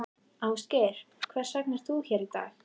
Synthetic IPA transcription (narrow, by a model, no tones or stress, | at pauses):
aːwst̪cɛɾ̥kʰvɛ̥saknɛɾ̥θθuçɛɾit̪a̰ːx